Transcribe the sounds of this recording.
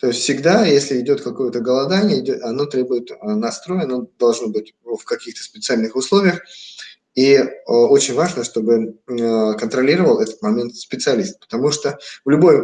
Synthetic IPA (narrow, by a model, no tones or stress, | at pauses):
t̪o̞jɪsʲt̪ʲfsʲɪɡd̪ajesʲlʲɪɪdʲo̞t̪kɐko̞jət̪əɡəlˠɐd̪anʲɪjəɪdʲoɐno̞t̪ɾʲe̞bʊjɪt̪nɐst̪ɾo̞jɐnod̪ɐlˠʐno̞bɨt̚ʲfkɐkʲixt̪ə̥spʲɪt̪sɨalʲnɨxʊslˠo̞vʲɪjəx | io̞t͡ɕɪnʲvaʐnəʂt̪o̞bɨ | kənt̪ɾɐlʲiɾəvəlˠɛt̪ə̥t̪mɐmʲe̞nt̪spʲɪt̪sɨɐlʲist̪̚pə̥t̪ɐmuʂt̪ovlʲʊbo̞j